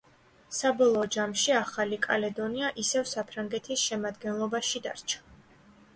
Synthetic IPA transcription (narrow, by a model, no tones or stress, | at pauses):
sabɔlˠɔːd͡ʒamʃiaχalikʼa̰lɛd̪ɔniaʔisɛvsapʰɾaŋɡɛt̪ʰisʃɛmad̪ɡɛnlˠɔbaʃid̪a̰ɾt͡ʃʰḁ